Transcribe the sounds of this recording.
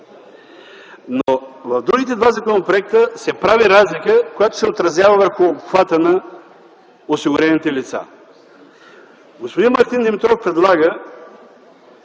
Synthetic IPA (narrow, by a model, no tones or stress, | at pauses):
novɐvd̪ɾuɡ̟it̪ɛd̪vazɐkonopɾoɛk̚t̪əsɛpɾaviɾazlikəkojat̪o̥sɛot̪ɾɐzʲjavəvəɾxʊːpxvat̪ənɐ | osiɡʊɾɛnit̪ɛlit̪sa̰ | ɡospod̪inmɐɾt̪ind̪ɛmɛt̪ɾofpɾɛd̪lˠaɡə